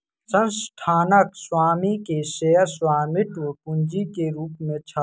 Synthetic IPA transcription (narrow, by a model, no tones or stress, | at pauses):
sə̃nsʈʰaːnəkswaːmikeseːəswaːmɪʈwkʊnd͡ʒikeɾuːpmẽt͡ʃʰa